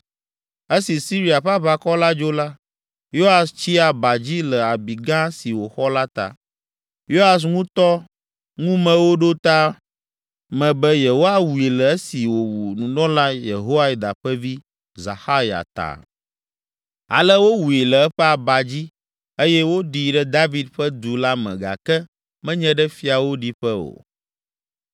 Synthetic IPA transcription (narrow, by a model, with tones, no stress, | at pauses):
e˦si˨si˦ɾi˦a˨ɸa˦βa˦kɔ˦la˦d͡ʒo˦la˦ | jo˦a˨st͡ɕi˦a˨ba˨d͡ʑi˦lə˨a˨bi˨ɡã˦si˨wo˨xɔ˦la˦t̪a̰˨ | jo˦a˨s̬ŋũ˦t̪ɔ˦ | ŋũ˦mɛ̃˨wo˦ɖo˦t̪a˦ | mɛ̃˨bɛ˦je˨ɦo˦a˦wu˨e˨lə˨ɛ˦si˨wo˨wu˨nũ˨nɔ̃˦la˦je˨ɦo˦wa˦˨d̪a̰˨ɸɛ˦vi˦ | za̰˨xa˦ja̰˨t̪a̰˨ | a̰˨lɛ˦wo˦wu˨i˨lɛ˨ɛ˦ɸɛ˦a˨ba˨d͡ʑi˦ | e˦jɛ˦wo˦ɖi˨ɖɛ˦d̪a˦vi˦d̪ɸɛ˦d̪u˨la˦mɛ̰̃˨ɡa̰˨kɛ˦ | mɛ̃˦ɲɛ̃˦ɖɛ˦fi˦a˨wo˦ɖi˦ɸɛ˦o̰˨